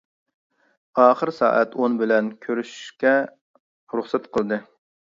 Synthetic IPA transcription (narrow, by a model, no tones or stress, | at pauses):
ɑːχəɾsɑ̰ːʔɛ̰t̪ʰonbɪlɛnkʲʰøɾyʃy̥ʃkʲɛ | ɾuχsɛt̪qʰəlˠɨd̪ɨ